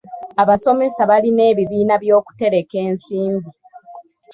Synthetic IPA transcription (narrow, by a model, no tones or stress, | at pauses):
aβaso̞me̞saβaline̞ːβiβiːnaβjo̞ːku̥te̞ɾe̞ke̞ːnsiːmbi